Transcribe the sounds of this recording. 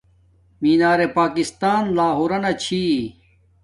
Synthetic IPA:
miːnaːɾepaːkist̪aːnlaːɦoːɾɐnɐt͡ɕʰi

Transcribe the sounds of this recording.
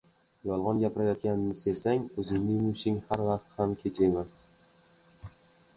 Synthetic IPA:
jɒlˠʁɒnɡʲapʰɪɾajɒt̪ɡʲanɪnɪsesaŋɵzɪŋnɪŋmʊʃɪŋhaɾvaqt̪hamkʲʰe̞t͡ʃʰemas

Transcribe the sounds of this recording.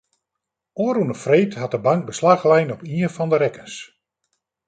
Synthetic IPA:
oːɾunəfrejtɦat̚dəbaŋk̚bəslaxlɛjnɔpiəfɔndəɾɛkəns

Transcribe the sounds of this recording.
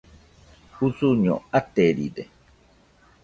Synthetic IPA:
husuɲɔ̰at̪ːeɾḭd̪e

